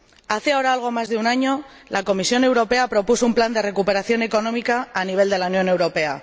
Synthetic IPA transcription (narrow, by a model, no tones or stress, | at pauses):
aθeao̞ɾaalɣ̞o̞mazðeunaɲo̞ | lako̞misjo̞ne̞wɾo̞pe̞apɾo̞pusoumpland̪e̞re̞kupeɾaθjo̞ne̞ko̞no̞mikaːniβ̞e̞ld̪e̞launjo̞ne̞wɾo̞pe̞a